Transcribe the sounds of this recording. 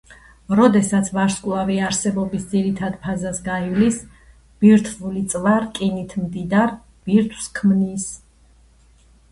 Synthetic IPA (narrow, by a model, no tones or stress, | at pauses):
ɾɔd̪ɛsat̪sʰvaɾskʼlˠaviaɾsɛbɔbisd̪ziɾit̪ʰad̪pʰazasɡaivlis | b̥iɾt̪ʰvulit̪sʼvaɾkʼinit̪ʰmd̪id̪aɾ | b̥iɾt̪ʰwskʰmnis